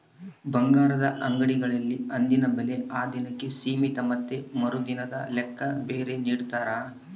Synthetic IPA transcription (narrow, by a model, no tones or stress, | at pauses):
bɐŋɡaːɾɐd̪ɐʔɐŋɡɐɽiɡɐɭɐlːiɐnd̪inɐbɐle̞aːd̪inɐkːe̞siːmit̪ɐmɐt̪ːemɐɾud̪inɐd̪ɐ̰lɛkːɐbe̞ːɾe̞niːɽt̪aːɾa